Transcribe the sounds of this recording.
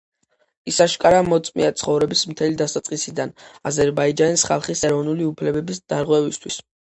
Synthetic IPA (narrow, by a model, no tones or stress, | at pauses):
isaʃkʼaɾamɔt̪sʼmḭat̪sʰχɔvɾɛbismt̪ʰɛlid̪asat̪sʼqʼisid̪anazɛɾbaid͡ʒanisχa̰lˠχisɛɾɔvnuliupʰlɛbɛbisd̪̥aɾʁwɛvist̪ʰwis